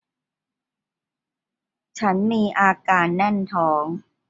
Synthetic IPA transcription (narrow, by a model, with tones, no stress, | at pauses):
t͡ɕʰa˦˥nmiː˧ʔaː˧kaː˧nːa˥˩nt̪ʰɔː˩˦ŋ